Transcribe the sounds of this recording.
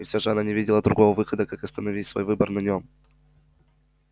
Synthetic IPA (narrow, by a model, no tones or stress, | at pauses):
ɪfsʲaʐɨɐnanʲɪvʲidʲɪlˠəd̪ɾʊɡo̞vəvɨxəd̪əkakɐst̪ənɐvʲitʲsvo̰jvɨbərnɐnʲom